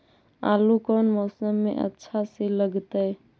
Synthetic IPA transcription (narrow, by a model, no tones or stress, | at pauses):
a̰lukənmɔsəmːḛʔə̰tːʃʰasiləɡt̪əj